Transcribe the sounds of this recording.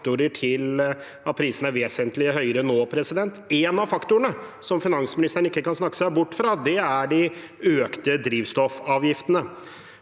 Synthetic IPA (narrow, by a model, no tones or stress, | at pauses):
t̪ʊɾəʈʰɪl | ɑt̪̚pʰɾiːsən̩æɾʋeːsənt̪lɪəhœʏɾənoːpʰɾɛsɪd̪ɛnt̪ɛːnɑʋfɑkt̪ʊəɳəsɔmfɪnɑnsmɪnɪst̪əɾɳ̩ɪkːəkɑnsnɑkːə̥sæɪbʊʈːfɾɑd̪ɛæɖɪ | øːkt̪əd̪ɾiːʋst̪ɔfɑːʋjɪft̪ənə